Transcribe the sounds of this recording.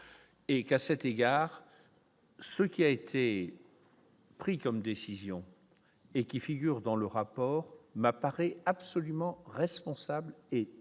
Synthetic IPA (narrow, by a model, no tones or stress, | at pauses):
ekasɛt̪eɡaːʁ | səkʲiaet̪ʰe | pχikɔmd̪esizjɔ̃ | ekʲifiɡʲyʁd̪ɑ̃ləʁapɔːʁmapaʁɛapsɔlymɑ̃ʁɛspɔ̃sable